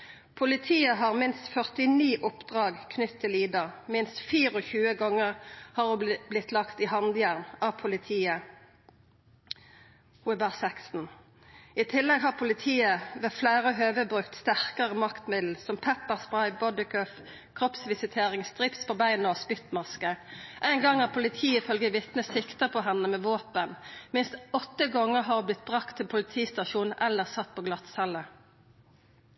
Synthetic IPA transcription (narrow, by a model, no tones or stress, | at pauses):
pʰʊlɪt̪ʰiːəɦɑːʁmɪnst̪fœʁt̪ɪniːʔʊpd̪̥ʁɑːɡkʰnʏt̪tʰːɪliːd̪əʁmɪnst̪fiːʁɔçʉːəɡɔŋːəʁhɑːʁublɪt̪lɑkt̪ɪhɑnd̪jæːʁnɑːʋpʰʊlɪt̪ʰiːə | huːɛbæʁsɛksn̩ | ɪt̪ʰɪlːɛɡhɑːʁpʰʊlɪt̪ʰiːəʋeːflæːʁəɦøːʋəbʁʉkt̪st̪æʁkəʁəmɑkt̪mɪd̪l̩sɔmpʰɛpːəʁsbʁɑɪbɔd̪ɪkʰœf | kʰʁɔpsʋɪsɪt̪ʰeːʁɪŋst̪ʁɪpspʰoːbæɪnɔsbʏt̪mɑskəʔæɪŋɡɑŋæːʁpʰʊlɪt̪ʰiːəɪfœlɡəʋɪt̪nəsɪkt̪əpʰɔɦɛnːəmɛːʋoːpənmɪnst̪ɔt̪ːəɡɔŋːəʁɦɑːʁblɪt̪̚bʁɑkt̪ʰːɪlpʰʊlɪt̪ʰiːst̪ɑʃuːnn̩ʔɛlːəʁsɑt̪̚ːpʰoːɡlɑt̪sɛlːə